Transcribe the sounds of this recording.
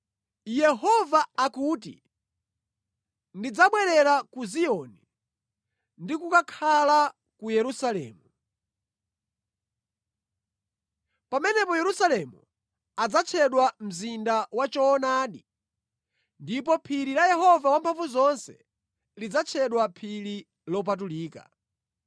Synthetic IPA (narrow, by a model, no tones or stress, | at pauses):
jɛɦɔvaːkuːtḭ | ndid͡zaɓwɛɾɛɾakuziɔni | ndikukakʰala | kujɛɾusalɛ̰ːmu | pamɛnɛpɔjɛɾusalɛmṵ | ad͡zat͡ʃʰɛɗwam̩zindawat͡ʃɔːnaːɗi | ndipɔpʰiɾilajɛɦɔvawampʰaɱvuzɔnsɛ̥̰ | lid͡zat͡ʃʰɛɗwapʰili | lɔp̬at̬uliːka̰